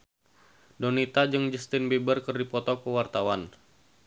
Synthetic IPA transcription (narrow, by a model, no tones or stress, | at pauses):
donit̪ad͡ʒəŋd͡ʒəst̪ɪnbebərkərdipɔt̪ɔkəwart̪awan